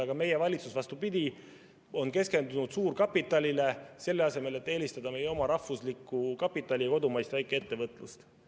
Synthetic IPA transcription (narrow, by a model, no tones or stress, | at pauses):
ɑɡ̥ɑme̞jevɑlʲit̪susvɑst̪upid̪̥ʲi | o̞nke̞ske̞nd̪unud̪̥suːɾkɑpːˑit̪ːˑɑlʲile̞se̞lːe̞ɑse̞me̞le̞t̪ːe̞ːlist̪ɑd̪ɑme̞jeo̞mɑɾɑhfvuslikːˑukɑpːˑit̪ːˑɑlʲiko̞d̪umɑjst̪væjkːˑee̞t̪ːe̞vɤt̪ːˑlust̪